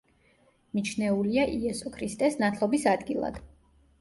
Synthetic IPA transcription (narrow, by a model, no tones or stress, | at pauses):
mit͡ʃʰnɛuliaʔiɛsɔkʰɾist̪ʼɛsnat̪ʰlˠɔbisad̪ɡilˠa̰d̪̥